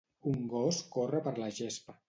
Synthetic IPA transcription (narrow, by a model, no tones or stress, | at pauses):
uŋɡɔskorəpəɾləʒespə